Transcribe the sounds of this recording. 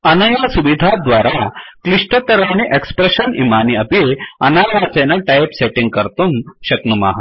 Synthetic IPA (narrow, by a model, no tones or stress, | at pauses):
ɐnɐjasuʋid̪ʱad̪ʋaɾakliʂʈət̪ɐɾaniʔekspɾeɕənimaniɐpiɐnaʋat͡senaʈajpseʈiŋɡ̚kəɾt̪unɕɐknuma̰ɦa